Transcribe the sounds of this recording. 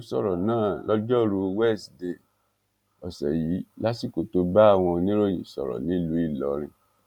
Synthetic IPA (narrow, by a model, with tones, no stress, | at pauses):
sɔ̰˦˨ɾɔ˨nãː˦˨lɔ˧d͡ʒɔ˦ɾu˧wɛ˦˨sde˨ | ɔ˨sɛ˨ji˨˦la˦si˦˨ko˨to˧ba˦a˦˨w̃ɔ̃˧nĩ˦ɾo˦˨j̃ḭ̃˨sɔ̰˨ɾɔ̰˨nĩ˨˦lu˨˦i˦˨lɔ˨ɾ̃ĩ˧